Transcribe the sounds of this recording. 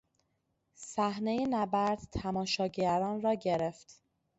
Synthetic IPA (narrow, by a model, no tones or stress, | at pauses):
sæhnejenæbæɾd̪̥t̪ʰæmɒːʃɒːɟæɾɒːnrɒːɟeɾeft̪